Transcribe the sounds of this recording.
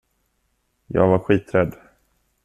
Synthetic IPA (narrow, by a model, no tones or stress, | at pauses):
jɑ̰ːɡvaɾɧiːt̪ɾɛd̪